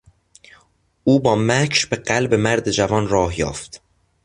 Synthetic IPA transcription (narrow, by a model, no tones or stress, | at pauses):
ʔuːbɒːmækʰʃbeɢælbe̞mæɾd̪ed͡ʒævɒːnrɒːhjɒ̰ːft̪